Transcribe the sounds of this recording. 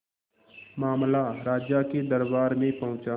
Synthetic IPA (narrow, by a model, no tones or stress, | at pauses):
maːmlaɾaːd͡ʒjaked̪əɾbaːɾmẽpɐɦʊ̃t͡ʃaː